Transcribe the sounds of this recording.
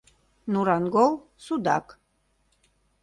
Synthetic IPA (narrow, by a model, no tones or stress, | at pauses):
nuɾɑnɡol | sud̪ɑ̰k